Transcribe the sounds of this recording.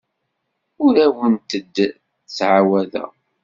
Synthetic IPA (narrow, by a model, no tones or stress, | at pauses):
ʊɾæwənt̪əd̪ | t͡sːʕawæðæ̰